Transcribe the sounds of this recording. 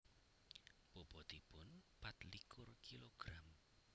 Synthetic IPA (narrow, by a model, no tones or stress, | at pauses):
bob̥ɔt̪ipʊnpat̪likʰʊrkiloɡ̥ɾam